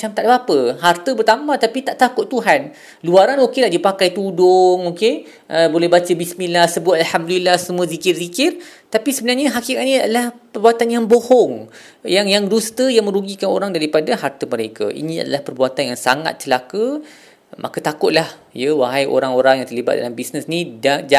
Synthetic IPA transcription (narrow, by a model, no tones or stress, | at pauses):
at͡ʃamt̪aʔdbapəɦart̪əbərt̪amãt̪apit̪aʔt̪akʊt̪ːuɦan | luaɾanokelahdipakajt̪udʊŋoke | ʔəbolɛhbat͡ʃəbismilahsəbʊt̪̚alhamdulilahsəmuə̃zikɪrzikɪrt̪apisəbənarɲaɦakikat̪̚nijadalahpərbuat̪anjaŋbohɔŋ | jaŋjaŋdust̪əjaŋmə̃ɾuɡikano̰ɾaŋdaɾipadaɦart̪əməɾeka̰ʔḭnĩa̰da̰lahpərbuat̪anjaŋsa̰ŋa̰t̪̚t͡ʃəlakə | mʔa̰kat̪akʊt̪̚lah | jəwaɦajo̰ɾaŋoɾaŋjaŋt̪ərliba̰t̪̚da̰lambisnəsnidad͡ʒa